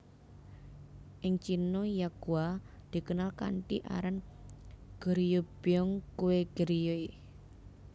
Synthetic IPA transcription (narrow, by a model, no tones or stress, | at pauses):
ʔɪŋt͡ʃinojaɡ̥uad̪̥i̤kənalka̰ɳʈiʔa̰ɾan | ɡ̥əɾijob̥iɔŋkuweɡ̥əɾijoi